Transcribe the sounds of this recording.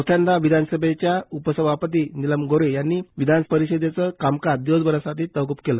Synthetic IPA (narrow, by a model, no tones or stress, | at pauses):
t̪ʰand̪aʋid̪ʱansəbʱet͡ɕjaupəsəbʱapət̪̬iːniləmɡoɾejanːiːʋid̪ʱanpəɾiɕəd̪jet͡səkamkaɾd̪iʋəd͡zbəɾəsat̪ʰiːt̪əʋɡupkelə